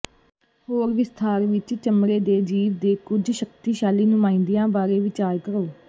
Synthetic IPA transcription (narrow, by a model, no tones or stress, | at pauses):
hoːɾʋɪst̪ʰaːɾʋɪt͡ʃt͡ʃəmɾeːd̪eːd͡ʒiːʋd̪eːkʊd͡ʒʃəkt̪iːʃaːliːnʊmãːɪ̃ːnd̪ijãːbaːɾeːʋɪt͡ʃaːɾkəɾoː